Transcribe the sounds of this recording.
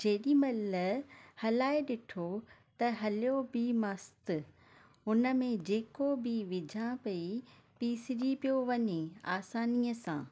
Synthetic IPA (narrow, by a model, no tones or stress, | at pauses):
d͡ʑeːɗĩmɐləhɐlaːeɗɪʈʰot̪ɐɦɐlijobɪmɐst̪ | ʊnə̆mẽd͡ʑeːkobɪʋɪd͡ʑʱãpɐipiːsɪɾipijoʋɐɲeaːsaːniːəsã̰ː